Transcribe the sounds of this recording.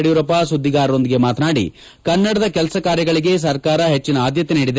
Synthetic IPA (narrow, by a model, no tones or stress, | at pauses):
ɽijuɾɐpɐsud̪ʱːiɡaːɾɐɾo̞nd̪iɡe̞maːt̪ɐnaːɽḭ | kɐnːɐɽɐd̪ɐkɛlɐsɐkaːɾjɐɡɐɭiɡe̞s̬ɐɾkaːɾɐɦe̞t͡ʃːinɐaːd̪jɐt̪eniːɽid̪e